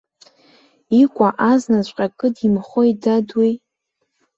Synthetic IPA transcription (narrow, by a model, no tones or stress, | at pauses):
ikʷʼaʔaznazʷʼqʲʼakʼɨdimχojdadwij